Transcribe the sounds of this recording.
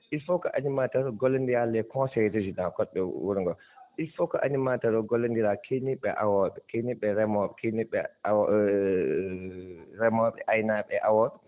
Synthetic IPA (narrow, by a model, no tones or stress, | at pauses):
ʔilfɔkaʔanimataɾɡɔlːɛndijalːɛkɔ̃sɛded͡ʒinakɔɓɛwuɾŋɡɔ | ʔilfɔkaʔanimataɾɔɡɔlɛndiɾakʰeniɓɛʔawɔɓɛkeniɓɛɾɛmɔɓɛkʰeniɓɛ | ɾɛmɔɓɛ̰ʔajnaɓɛʔawɔ